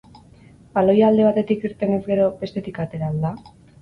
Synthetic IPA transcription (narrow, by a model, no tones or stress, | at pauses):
balo̞jald̪e̞β̞at̪e̞t̪ikiɾt̪e̞ne̞zɡe̞ɾo̞be̞st̪e̞t̪ikat̪e̞ɾald̪a